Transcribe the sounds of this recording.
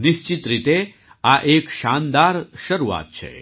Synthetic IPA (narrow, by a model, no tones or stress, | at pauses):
nist͡ɕit̪ɾit̪e | aʔeːkʃaːnd̪aːɾʃɐɾuʋa̰ːt̪̚t͡ʃʰḛ